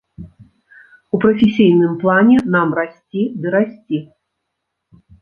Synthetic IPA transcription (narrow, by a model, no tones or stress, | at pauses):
upɾɐfʲɪsʲijnɨmplˠanʲɛnamrasʲt͡sʲid̪ɨɾasʲt͡sʲi